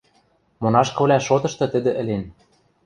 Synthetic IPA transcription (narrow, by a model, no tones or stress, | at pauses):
monɑʃkɤ̆βlʲæʃot̪ɤ̆ʃt̪ɤ̆t̪ɘ̆d̪ɘ̆ʔɘ̆len